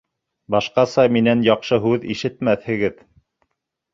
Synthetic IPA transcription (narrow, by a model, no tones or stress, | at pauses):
bɑʃqɑsɑminænjɑqʃɤɦʉðḭʃɘ̆t̪mæθhɘ̆ɡɘð